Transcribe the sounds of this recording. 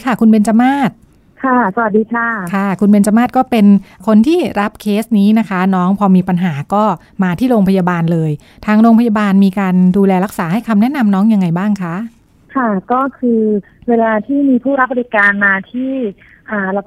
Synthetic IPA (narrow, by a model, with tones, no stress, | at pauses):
kʰa˥˩kʰu˧nbe˧nt͡ɕa˧maː˥˩t̪̚ | kʰa˥˩sa˧wa˨˩t̪̚diː˧kʰa˥˩kʰa˥˩kʰu˧nbe˧nt͡ɕa˧maː˥˩t̪̚kɔː˥˩pe˧nkʰo˧nt̪ʰiː˥˩ɾa˦˥p̚kʰeː˦˥s̚niː˦˥na˦˥kʰa˦˥nɔː˦˥ŋpʰɔː˧miː˧pa˧nɦaː˩˦kɔː˥˩ | maː˧t̪ʰiː˥˩ɾoː˧ŋpʰa˧jaː˧baː˧nlɤː˧j | t̪ʰaː˧ŋɾoː˧ŋpʰa˧ja˧baː˧nmiː˧kaː˧nduː˧lɛː˧ɾa˦˥k̚saː˩˦ha˥˩jkʰa˧mnɛ˦˥ʔna˧mnɔː˦˥ŋja˧ŋːa˧jbaː˥˩ŋkʰa˦˥ʔ | kʰa˥˩kɔː˥˩kʰɯː˧ | weː˧laː˧t̪ʰiː˥˩miː˧pʰuː˥˩ɾa˦˥p̚ba˧ɾi˦˧˥kaː˧nmaː˧t̪ʰiː˥˩ | ʔaː˨˩la˧˩